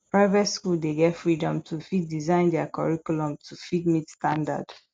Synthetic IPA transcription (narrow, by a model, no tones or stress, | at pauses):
pɹaɪvɛtskuldeɡɛtfɹidɔ̃mtʰufidːizãɪ̃ndɛakɔɹikulɔ̃mtʰufidmitstãnda̰d̥